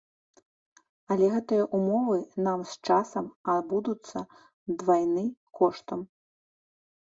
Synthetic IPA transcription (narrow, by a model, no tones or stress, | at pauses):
ɐlʲɛɣɛt̪ɨjɐʔumɔvɨnamst͡ʂasɐmad̪bud̪ut̪sːɐ | d̪vajnɨkɔʂt̪ɐm